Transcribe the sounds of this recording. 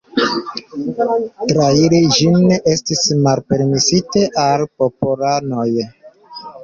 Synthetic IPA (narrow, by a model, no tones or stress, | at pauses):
tɾailid͡ʒineʔe̞stismalpe̞ɾmisiteʔalpopolano̞j